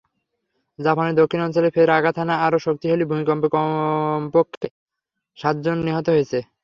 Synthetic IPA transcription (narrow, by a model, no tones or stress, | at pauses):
d͡ʑapaneɾd̪okʰːinɔnt͡ɕolefʰeɾaɡat̪ʰanaaɾoʃok̚t̪iɦolibʱumikɔmp | pokʰːe | ʃat̪̚d͡ʑonːiɦɔt̪oɦoet͡ɕʰe